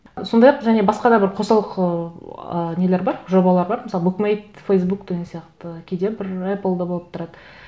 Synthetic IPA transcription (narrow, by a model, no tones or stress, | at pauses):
so̞nd̪ɑjɑqʒæne̞bɑsqɑd̪ɑbɪɾqʰo̞sɑlˠəqəəne̞leɾbɑɾʒo̞bɑlˠɑɾbɑɾməsɑlˠbukmejt̪fejsbukd̪ʲeɡʲesijɑqt̪əkʲʰed̪e̞bɪɾepəlˠd̪ɑbo̞lˠəp̚t̪ʰʊɾɑd̪ə